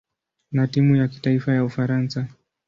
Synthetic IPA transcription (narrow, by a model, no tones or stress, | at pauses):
natimujaki̥taifajaufaɾansa